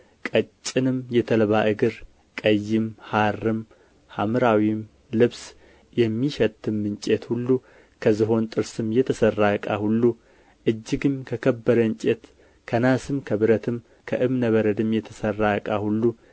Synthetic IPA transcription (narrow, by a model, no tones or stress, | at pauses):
kʼət͡ʃʼːɪnɨmjɛt̪ʰəlβaʔɨɡɨɾ | kʼəjːɪmharːɨm | hamɨɾawim | lɨβs | jɛmːiʃɛt̪ʼʰːɨmːɨnt͡ʃʼet̪hulːu | kʰəzɨɦo̞nt̪ʼɨɾsɨmjɛt̪ʰəsərːaəkʼa̰hulːu | ʔɨd͡ʒːɪɡɨmkʰəkʰəbːəɾəɨnt͡ʃʼet̪ | kʰənasɨmkʰəβɨɾət̪ʰɨm | kʰəʔɨmnəβəɾəd̪ɨmjɛt̪ʰəsərːaəkʼahulːu